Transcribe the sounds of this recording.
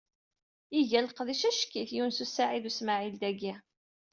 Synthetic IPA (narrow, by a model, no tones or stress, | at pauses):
iʝælqðiʃæʃkːiθjuwnsusaʕiðusmaʕild̪æɡi